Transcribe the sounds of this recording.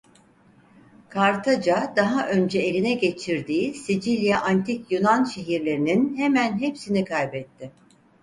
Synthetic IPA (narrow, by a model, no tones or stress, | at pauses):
kʰaɾt̪ʰad͡ʒad̪aɦaʔø̞nd͡ʒɛelʲinɛɟe̞t͡ʃʰiɾd̪iːsid͡ʒilʲjaʔant̪ʰikjunanʃe̞ɦiɾlʲe̞ɾininhemænɦepsinikʰajbɛt̪ʰːɪ